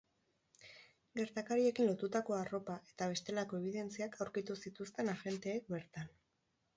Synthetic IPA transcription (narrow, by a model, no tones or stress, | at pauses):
ɡe̞ɾt̪akaɾie̞kinlo̞t̪ut̪ako̞aro̞paʔe̞t̪aβ̞e̞st̪e̞lako̞e̞β̞iðe̞nt͡siakʰawɾkit̪usit̪ust̪e̞naɣe̞nt̪e̞ːk̚be̞ɾt̪an